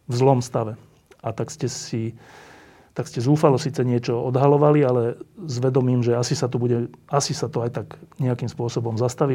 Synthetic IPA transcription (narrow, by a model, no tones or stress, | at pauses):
vzlɔmst̪aʋɛ | at̪akscɛsi | t̪akscɛzuːfalɔsiːt͡sɛɲɪɛt͡ʃɔɔd̪ɦalɔʋalialɛzʋɛd̪ɔmiːmʒɛasisat̪ɔbuɟɛasisat̪ɔajt̪aɡɲɛakiːmspʊɔsɔbɔmzast̪aʋi